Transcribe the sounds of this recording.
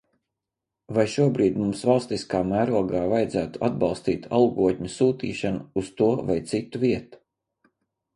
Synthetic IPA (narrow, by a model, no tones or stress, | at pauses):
vajʃuɔbɾiːd̪ʲmumsvɑlˠst̪iskaːmæːɾuɔɡaːvajd̪zæːt̪u̥ʔad̪̚bɑlˠst̪iːt̪a̰lˠɡuɔt̪̚ʲɲusuːt̪ḭːʃanuːst̪uɔvajt̪sit̪uviɛt̪u̥